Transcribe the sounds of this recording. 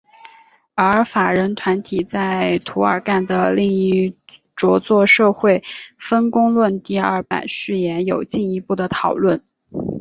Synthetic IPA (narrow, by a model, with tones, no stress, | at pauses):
ə˞˧˥fa˨˩ɻə˧˥nt̪ʰwa˧˥nt̪ʰi˨˩t͡sa˥˩ɪɪt̪ʰu˧˥ə̰˞˨˩ka˥˩nd̪ə˩li˥˧ŋi˥˩ | ʈ͡ʂwɔ˧˥t͡swɔ˥˧ʂɤ˥˧xwe˥˩ɪfə˥nkʊ˥ŋlwə˥˧nt̪i˥˧ə˥˩pa̰˨˩ɪʂɻ̩˥˩jɛ˧˥njo˨˩ʊt͡ɕi˥˩ni˧˥pu˥˩d̪ə˩t̪ʰɑ˨˩ʊlwə˥˩n